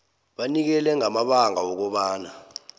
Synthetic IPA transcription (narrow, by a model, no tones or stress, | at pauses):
ɓanik̬ɛlɛŋamaɓaŋʱawɔk̬ɔɓaːna